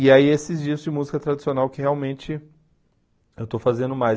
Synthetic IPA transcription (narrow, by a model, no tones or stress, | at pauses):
ɪaiesɪzd͡ʒiɐzd͡ʒɪmuzikɐt̪ɾad͡ʒisionawkɪheawmẽnt͡ʃɪ | ewt̪owfazẽnd̪ʊmaj